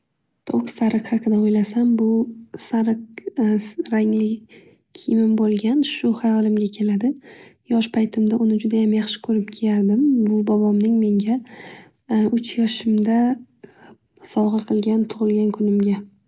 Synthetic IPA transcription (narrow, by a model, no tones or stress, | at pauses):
t̪ʰoksaɾɨqhɑqʰɨd̪aojlasambʊsaɾɨq̚ | ɾaŋlɪ | kʲʰɪjmɪmbolˠɡʲanʃʊχajɒlɪmɡʲakʲʰe̞lad̪ɪjɒʃpʰajt̪ʰɪmd̪aʔʊnɪd͡ʒʊd̪ajamjaχʃɪ̥kʰɵɾɪp̚kʲʰejaɾd̪ɪmbʊbɒbɒmnɪŋme̞ŋɡʲa | ʊt͡ʃʰjɒʃɪmd̪a | sɒʁɨqʰɨlˠɡʲant̪ʰʊʁɨlˠɡʲankʰʊnɪmɡʲa